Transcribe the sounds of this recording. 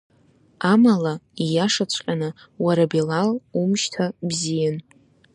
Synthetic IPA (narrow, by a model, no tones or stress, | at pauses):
amalaijaʂat͡ɕʷʰqʲʼanɨ | waɾabelalumʃtʰabzijan